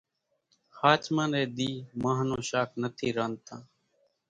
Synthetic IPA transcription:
haːt͡ʃmãːneːd̪iːmãːɦnõːʃaːkʰnət̪ʰiːɾaːnt̪ãː

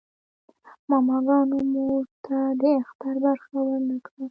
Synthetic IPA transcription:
mɑmɑɡɑnomuʐt̪ʰad̪əaxt̪aɾbaɾxawaɾnakɽa

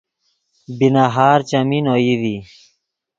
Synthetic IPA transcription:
binaɦaːɾt͡ɕamiːnoːiði

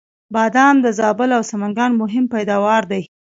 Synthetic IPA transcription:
bɑd̪ɑnd̪əzɑbəlawsamaŋɡɑnmʊɦɪmpajd̪ɑwɑɾd̪aj

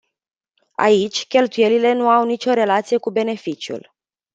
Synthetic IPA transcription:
a̰it͡ʃʲkʲe̞lt̪uje̞lile̞nuawnit͡ʃo̞ɾe̞lat̪sije̞kube̞ne̞fit͡ʃjṵl

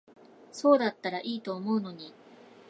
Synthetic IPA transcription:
so̞ːd̪at̪ːaɾaʔiːt̪o̞ːmo̞ɯ̟no̞ɲ̟i

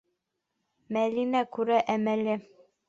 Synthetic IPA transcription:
mælinækʉɾæʔæmælɘ

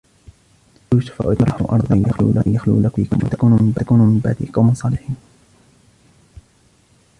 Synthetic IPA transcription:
uːʃʊ̥fa̰ʔʊt̪ɑɾˤɑħʊʔɑ̰ɾˤd̪ˤɪnjaxlṵːlʔajaxlṵːlakḭːkʊmwa̰t̪akuːnʊmɪmbakuːnʊmɪmbaʕd̪ḭqɑwmɪnsˤɑːlɪħiːn

